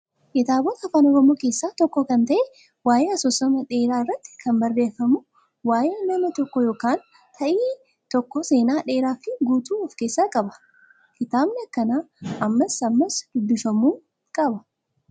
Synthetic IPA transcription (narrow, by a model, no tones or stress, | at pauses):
kɪt̪aːbɔt̪ɐɐfaːnɔɾɔmo̞ːke̞ːsːaːt̪ɔkːɔkɐnt̪ɐʔɛ | waːjeːɐsɔsɐmɐᶑe̞ːɾaːɪrːɐt̪ːɪ̥kʰɐmbɐrːe̞ːfɐmʊ | waːjeːnɐmɐt̪ɔkːɔjoːkaːn | t̪ʰɐʔiː | t̪ɔkːɔse̞ːnaːᶑe̞ːɾaːfɪɡuːt̪uːɔfke̞ːsːaːkʼɐbɐ̥ | kɪt̪aːbnɛɐkːɐnaːɐmːɐsɐmːɐsd̪̥ʊbːɪfɐmuːŋ | kʼɐbɐ